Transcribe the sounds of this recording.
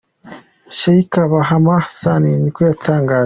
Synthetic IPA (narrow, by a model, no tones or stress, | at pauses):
ʃaikaβaɦamahasaninikojatʰaːŋɡaː